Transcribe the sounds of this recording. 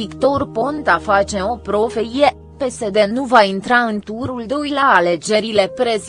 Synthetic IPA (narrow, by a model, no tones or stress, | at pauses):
ikt̪orpont̪afat͡ʃe̞o̞pɾo̞fe̞ije | pe̞se̞d̪e̞nuvaint̪ɾaɨnt̪uɾuld̪oilaːle̞d͡ʒe̞ɾile̞pɾe̞z